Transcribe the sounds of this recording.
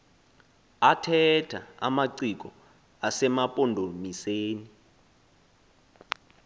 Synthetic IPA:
atʰɛtʰa̰a̰maǀik̬ɔ | asɛmapʼɔndʱomiseːni

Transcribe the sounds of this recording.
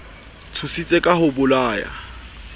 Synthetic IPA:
t͡sʰusit͡sʼekʼaɦʊbʊlaːja̰

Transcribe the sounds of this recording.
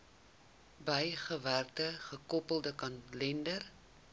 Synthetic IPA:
bəjχəværtəχəkɔpəlˠdəkɐnlɛndər

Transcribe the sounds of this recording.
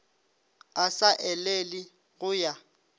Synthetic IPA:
asaʔɛlelɪ | ɣʊja

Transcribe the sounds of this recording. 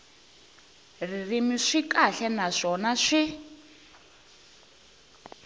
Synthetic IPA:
ririmiʂikaɬɛnaʂɔnaʂi

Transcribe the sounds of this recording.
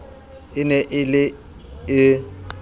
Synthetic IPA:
ɪnɛʔɪlɪ | ɪ

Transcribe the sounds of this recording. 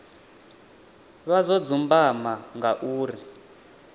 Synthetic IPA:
βazɔd͡zumbamaŋɡaʔuːri

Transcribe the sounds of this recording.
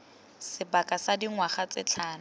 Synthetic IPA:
sɪbakʼasadiŋwaχat͡sɪ̰t͡ɬʰaːna

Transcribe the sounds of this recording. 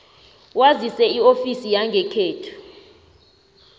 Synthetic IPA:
wazisɛiofisijaŋɡʱɛkʰeːtʰu̥

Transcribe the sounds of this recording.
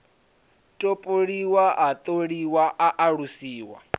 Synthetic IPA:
tʼopʼoɺiwaʔat̪ʼoɺiwaʔaʔaɺusiːwa̰

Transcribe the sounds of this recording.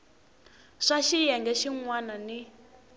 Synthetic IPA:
ʂaʃijɛŋɡɛʃiŋwanani

